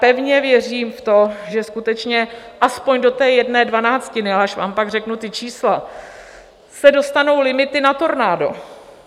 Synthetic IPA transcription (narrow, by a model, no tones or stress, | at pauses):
pɛvɲɛvjɛr̝iːmft̪o̞ʒɛskut̪ɛt͡ʃɲɛʔaspoɲdo̞t̪ɛːjɛdnɛːdvanaːt͡scɪnɪalɛaʃva̰ːmpaɡr̝ɛknut̪ɪt͡ʃiːsla | sɛdo̞st̪ano̞wlɪmɪt̪ɪnat̪o̞ɾnaːdo̞̰